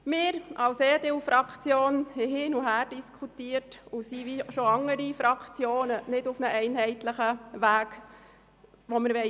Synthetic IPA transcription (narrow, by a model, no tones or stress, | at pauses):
mɪːɾʔɑwseːdewfɾɑkʰt͡sjoːnhɛɦɪːnuɦæːɾd̥iskʰutiːəɾtusiʋiʃɔɑŋːəɾifɾɑkχt͡sjoːnənɪdufnəʔɛɪnɦɛɪt̪ləχəʋæːk | ʋɔməɾʋɛ